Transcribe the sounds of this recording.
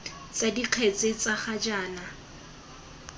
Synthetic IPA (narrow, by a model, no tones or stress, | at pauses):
t͡sadiq͡χʰet͡sʼet͡saχad͡ʒaːna